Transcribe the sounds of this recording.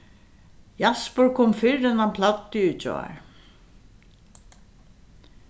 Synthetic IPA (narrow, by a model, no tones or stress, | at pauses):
jaspəɹkʰɔmfɪɹɛnanpʰlat̪ːɪʏt͡ʃɔ̰a̰ɹ